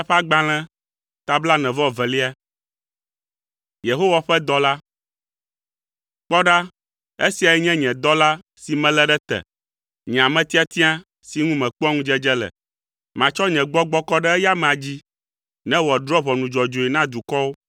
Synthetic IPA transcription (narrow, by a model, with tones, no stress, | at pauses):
ɸa˦ɡ͡bã˨l̃ɛ̃˦ | t̪a˨bla˦nɛ̃˨vɔ˦vɛ˨li˦a˦ | je˨ɦo˦wa˨ɸɛ˦d̪ɔ˦la˦ | k͡pɔ˦ɖa˦ | e˦si˨a˨ɛ˦ɲɛ̃˦ɲɛ̃˨d̪ɔ˦la˦ | si˨mɛ̃˦lɛ˦ɖɛ˦t̪ɛ̰˨ | ɲɛ̃˨a˨mɛ̃˦t̪i˦a˦t̪i˦ã˦ | si˨ŋũ˦mɛ̃˨k͡pɔ˦ŋũ˦d͡ʒɛ˦d͡ʒɛ˦lɛ̰˨ | mã˨t͡ʃɔ˦ɲɛ̃˨ɡ͡bɔ˦ɡ͡bɔ˦kɔ˦ɖɛ˦ɛ˦ja˦mɛ̃˨a˨d͡ʑi˦ | nɛ̃˦wɔ˨d̪ɾɔ˦βɔ˨nũ˨d͡ʒɔ˨d͡ʒo˨ɛ˨nã˦d̪u˨kɔ˦wo˦